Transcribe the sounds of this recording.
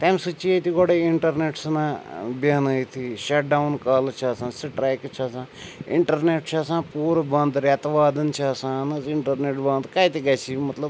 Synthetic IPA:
t̪ɐmsut͡ʃiet̪iɡoɽeiɳʈɐɾneːʈsnãːbaːnəit̪ʰiʃɐʈ̚ɖaunkaːlt͡ʃʰaːsãːsiʈɾɛːkt͡ʃʰasãː | ḭɳʈɐɾneːʈt͡ʃʰaːsãːpuːɾbɐ̃nd̪ɾɐt̪ʋaːd̪ɐnt͡ʃʰasãːnɐziɳʈɐɾneːʈbɐ̃nd̪kajt̪iɡɐt͡ʃʰimɐt̪lɐb

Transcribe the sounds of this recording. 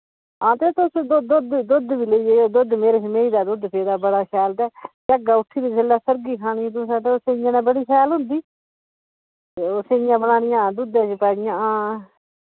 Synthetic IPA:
ãːt̪et̪ʊsd̪ʊd̪ʊd̪d̪ʊd̪ʋiːləieːd̪ʊd̪meːɾeːmeːiːd̪aːd̪ʊd̪pʰeːd̪aːbəɽaːkʰɛːlt̪ɛːd͡ʒəɡaːʊʈʰːiːd̪iːd͡ʒəlːaːsəɾɡiːkʰaːɽ̃iːt̪ʊsɛ̃ːt̪eːseɪjãːnɛ̃ːbəɽiːkʰɛːlɦʊ̃nd̪iː | oseːjãːbənaːnɪjãːd̪ʊd̪ãːt͡ʃepaːɽɪjãːãː

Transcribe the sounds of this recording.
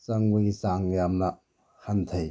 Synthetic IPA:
sɐŋbɐisaŋjamnɐ | hant̪ʰɐj

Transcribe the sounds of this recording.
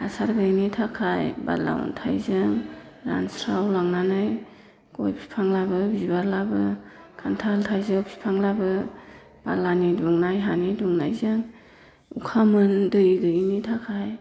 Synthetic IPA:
hasaɾɡɯjnitʰakʰajba̰la̰w̰ntʰa̰jzɯŋ | ɾa̰nsɾawlaŋnanɯj | kɔjpʰi̥pʰaŋlabɯbizbaɾlabɯ | kʰantʰaltʰajzɯwpʰi̥pʰaŋlabɯ | b̥alaniduŋnajɦaniduŋnajzɯŋ | ukʰamɯndɯjɡɯnitʰakʰaj

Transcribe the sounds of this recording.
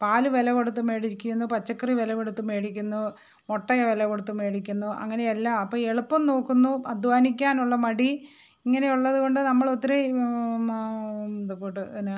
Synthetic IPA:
paːluʋelɐɣoɽut̪ːume̞ːɽikʲːunːupɐt͡ɕːɐkːriʋelɐɣoɽut̪ːume̞ːɽikʲːunːu | moʈːɐjɐʋelɐɣoɽut̪ːume̞ːɽikʲːunːuʔɐ̰ŋːɐne̞jɐlːaɐpːɐːɭe̞ɭupːɐmno̞ːkːunːuʔɐd̪ʱʋaːnikʲːaːnuɭːɐmɐɽi | iŋːɐne̞juɭːɐðuɣo̞ɳɖɨnɐmːɐɭo̞t̪ːiɾe | d̪okːuʈːɨn

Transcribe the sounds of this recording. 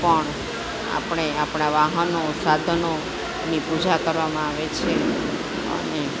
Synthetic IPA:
pəɳ | a̰pɳ̃eapɳ̃aʋaɦənosad̪ʱəno | nipud͡ʒʱakəɾʋamãaʋet͡ʃʰe | ə̰ne

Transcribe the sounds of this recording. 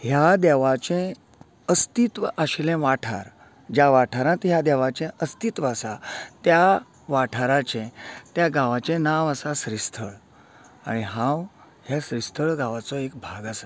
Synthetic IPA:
ɦjad̪ɛʋat͡ɕɛ̃ | əst̪it̪ʋəʔaɕlɛ̃ʋaʈʰa̰ɾ | d͡ʑaʋaʈʰaɾãt̪ɦjad̪ɛʋat͡ɕɛ̃ʔəst̪it̪ʋasat̪ja | ʋaʈʰaɾat͡ɕɛ̃t̪jaɡaʋat͡ɕɛ̃naʋasasɾist̪ʰəɭ | a̰ɽ̃iɦãw | ɦjasɾist̪ʰəɭɡaʋat͡sɔek̚bʱaɡasa

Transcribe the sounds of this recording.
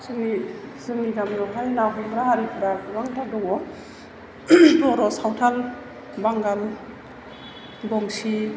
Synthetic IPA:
sɯŋnizɯŋniɡamɾɔŋkʰajnaɦɔmɾaɦaɾipʰuɾaɾaŋtʰadɔŋɔ | tɔɾɔsawtʰal | baŋɡal | bɔŋsi

